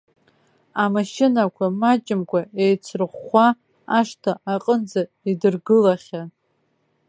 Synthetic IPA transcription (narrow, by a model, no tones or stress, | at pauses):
amaʃɪnakʷʰamat͡ʃʼɪmkʷʰaejt͡sʷʰrχʷa | aʂtʰaaqʼənd͡za | idɨrɡɨlaχʲa